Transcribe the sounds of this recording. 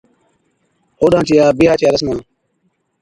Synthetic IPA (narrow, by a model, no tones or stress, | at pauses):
oːɗãːt͡ʃʰijaːbiɦaːt͡ʃijaːɾəsmãː